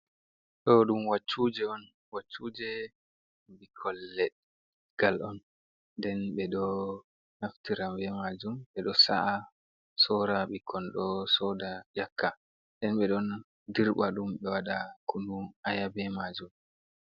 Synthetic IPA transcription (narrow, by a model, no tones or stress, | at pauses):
ɗɔɗumwat͡ʃːud͡ʒɛɔn | wat͡ʃːud͡ʒɛ | bikʰɔlːɛɗ | ɡ̥alʔɔn | dɛnɓɛɗɔ | naftiɾambɛmad͡ʒumɓɛɗɔsa̰ʔa | sɔɾaɓikʰɔnɗɔsɔdad͡ʒakʰːa | ɗɛnɓɛɗɔn | diɾɓaɗumɓɛwaɗakunuʔajabɛmad͡ʒum